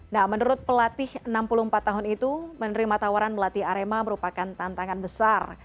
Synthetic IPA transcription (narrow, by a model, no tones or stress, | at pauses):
nahmənuɾʊt̪̚pəlat̪ɪhənampuluəmpat̪ːaɦʊnit̪umənəɾimat̪awaɾanbəlat̪ɪhaɾemaməɾupakant̪ant̪aŋanbəsar